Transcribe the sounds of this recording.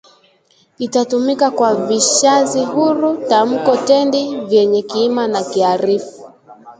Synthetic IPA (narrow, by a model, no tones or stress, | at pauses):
itatumikakwaviʃaziɦuɾutam̩kɔtɛndivjɛɲɛkiimanakiaɾifu